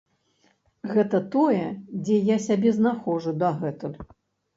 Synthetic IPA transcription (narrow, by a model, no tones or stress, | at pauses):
ɣɛt̪ɐt̪ɔjɛd͡zʲɛjasʲabʲɛznaxɔʐud̪ɐɣɛt̪ulʲ